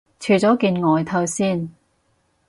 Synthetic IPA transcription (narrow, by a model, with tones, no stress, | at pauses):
t͡ʃʰyː˨˩t͡sɔː˨˥kiː˧nŋɔː˨˧jt̪ʰɐ˧wsiː˥˩n